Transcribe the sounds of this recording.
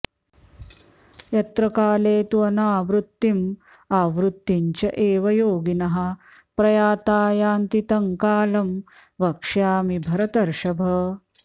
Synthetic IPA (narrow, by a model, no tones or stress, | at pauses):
jɐt̪ɾɐkaːleːt̪uɐnaːʋɾut̪ːim | aːʋɾut̪ːiɲt͡ʃɐʔeːʋɐjoːɡinɐɦɐ̆ | pɾɐjaːt̪aːjaːnt̪it̪ɐŋkaːlɐm | ʋɐkʂjaːmibʱɐɾɐt̪ɐɾʃɐbʱɐ